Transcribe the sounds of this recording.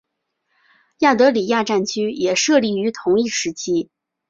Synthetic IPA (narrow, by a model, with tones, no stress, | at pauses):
ja˥˩t̪ɤ˧˥li˨˩ja˥˧ʈ͡ʂa˥˩nt͡ɕʰy˥jɛ˨˩ʂɤ˥˧li˥˩y˧˥t̪ʰʊ˧˥ŋi˥˩ʂɻ̩˧˥t͡ɕʰi˥